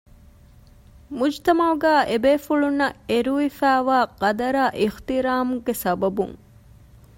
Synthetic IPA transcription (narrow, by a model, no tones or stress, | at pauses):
mud͡ʒt̪ɐmɐuɡæːʔebeːfuɭunːɐeɾuʋifæːʋaːqɐd̪ɐɾaːʔixt̪iɾaːmuɡesɐbɐbṵŋ